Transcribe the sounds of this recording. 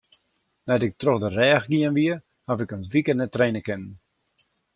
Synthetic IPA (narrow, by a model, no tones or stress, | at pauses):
nɛjdɪk̚troxdərɛːxɡiənʋiə | havɪkənʋikənɛtrejnəkɪnən